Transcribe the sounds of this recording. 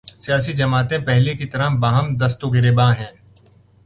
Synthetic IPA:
sijaːsid͡ʒɐmaːt̪ẽpɛɦlekit̪ɐɾabaːɦəmd̪ɐst̪oɡɪɾeːbãːɦɛ̃ː

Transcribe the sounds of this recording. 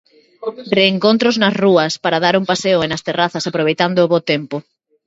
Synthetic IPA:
reːŋkõnt̪ɾoznɐsruɐspaɾað̞aɾuŋpaseoenɐst̪eraθɐsapɾoβejt̪and̪ʊːβot̪empo

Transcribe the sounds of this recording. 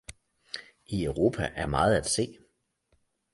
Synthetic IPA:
iœʊʁo̝ːpʰæʔæɐmɑ̈ːð̩ˠæd̥se̝̰ː

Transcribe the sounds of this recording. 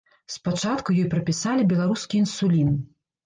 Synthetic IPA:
spat͡ʂat̪kujɔjpɾɐpʲisalʲibʲɛlˠaɾuskʲiːnsulʲin

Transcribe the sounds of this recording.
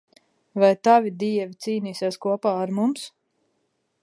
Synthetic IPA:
vajt̪avʲid̪iɛvʲit̪siːniːseɛskuɔpaːaɾmums

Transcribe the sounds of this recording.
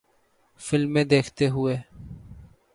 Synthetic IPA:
fɪlmːẽːd̪eːkʰt̪eɦʊeː

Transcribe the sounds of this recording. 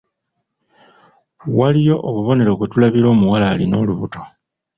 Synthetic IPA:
walijo̞ʔoβuβo̞ne̞ɾo̞kɡutulaβiɾo̞ːmuwalaːlino̞ːluβuto̞

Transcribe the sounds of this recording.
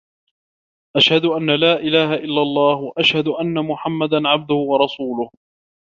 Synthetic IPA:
ʔaʃhad̪ʊʔanːalaːʔɪlaːhaʔɪlːalˤːɑːhwaʔaʃhad̪ʊʔanːamʊħamːad̪anʕab̚d̪ʊhʊwɑɾˤɑsuːlʊh

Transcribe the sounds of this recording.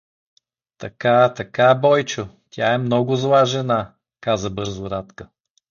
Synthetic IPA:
t̪ɐkat̪ɐkabɔjt͡ʃʊ | t̪ʲjaɛmnɔɡʊzlˠaʒɛna | kazəbɤɾzʊɾat̪kə

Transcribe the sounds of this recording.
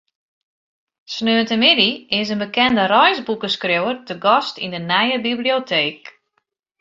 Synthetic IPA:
snøːəntəmɪdiɪs̬ənbəkɛndərɔjzbukəskrowərtəɡɔstindənɛjəbibliotʰeːk

